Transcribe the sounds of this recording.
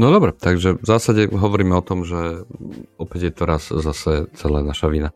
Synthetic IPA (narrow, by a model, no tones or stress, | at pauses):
nɔd̪ɔbɾɛt̪aɡʒɛvzaːsaɟɛɦɔʋɔɾiːmɛɔt̪ɔmʒɛ | ɔpɛɟjɛt̪ɔɾaszasɛt͡sɛlaːnaʃaʋiːna